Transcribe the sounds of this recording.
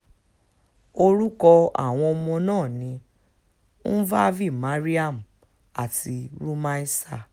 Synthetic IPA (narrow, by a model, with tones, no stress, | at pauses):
o˧ɾu˦kɔ˧a̰˦˨w̃ɔ̃˧ɔ˧mɔ̃˧nãː˦˨nĩ˨˧˦ | n̩˦va˦vi˦˨ma˨˦ɾi˦a˦˨m̩˨ | a˦˨ti˧ɾu˦ma˦i˦sa˦˨